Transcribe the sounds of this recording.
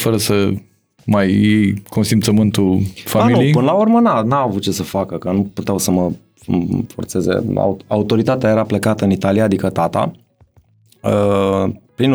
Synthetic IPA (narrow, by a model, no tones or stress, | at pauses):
fəɾəsə | majejko̞nsimt̪səmɨnt̪ufamilnuiejpɨnəlaurmənanaavut̪̚t͡ʃe̞səfakəkənuput̪eawsəmə | fo̞̰rt̪se̞zḛa̰ua̰ut̪o̞ɾit̪at̪eaje̞ɾaplekat̪əɨnit̪alijaːd̪ikət̪at̪a̰ | ə | pɾin